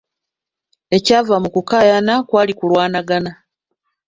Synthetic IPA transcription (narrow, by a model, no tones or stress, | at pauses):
e̞caːvamukukaːjanakwaːlikulwaːnaɡana